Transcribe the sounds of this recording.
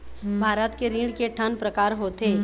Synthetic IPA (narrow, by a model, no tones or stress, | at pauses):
bʱaːɾət̪keɾiːɖkeʈʰənpɾəkaːɾɦot̪eː